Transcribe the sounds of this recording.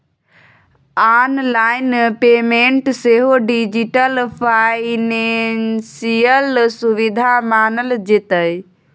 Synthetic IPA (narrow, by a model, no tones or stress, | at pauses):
aːnlaːɪnpeːmẽɳʈseɦoɖid͡ʒiʈəlpʰanensijəlsuʋid̪ʱamaːnəld͡ʒet̪əj